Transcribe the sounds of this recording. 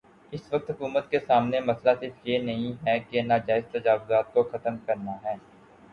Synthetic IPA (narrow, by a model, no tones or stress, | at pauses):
ɪsʋɐk̚t̪ɦʊkuːmət̪̚kesaːmnemɐslasɪɾfjenɐɦĩɦɛkenaːd͡ʒaːɪzt̪ɐd͡ʒaːʋʊzaːt̪̚koxɐt̪əmkɐɾnaɦɛː